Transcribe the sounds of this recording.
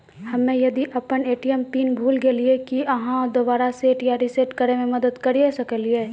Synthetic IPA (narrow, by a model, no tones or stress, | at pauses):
hɐmːẽjɐd̪iʔɐpəneːʈijəmpiːnbʱuːlɡeliekiɐɦãd̪oːbaːɾaseːʈjaɾɪseʈkəɾemẽmɐd̪əd̪kɐɾiesɐkəlieː